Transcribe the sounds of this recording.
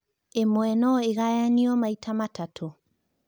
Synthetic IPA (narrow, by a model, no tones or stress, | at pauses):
emwɛnɔeɣajaniɔmaitamatatʰo